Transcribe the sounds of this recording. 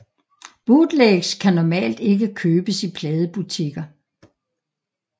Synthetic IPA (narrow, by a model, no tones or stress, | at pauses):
b̥ud̥leɡ̥skʰænɒmɛ̰ːld̥e̝ɡ̥əkʰøːb̥əsipʰlɛːð̞ˠəb̥ut͡sʰiɡ̥ɐ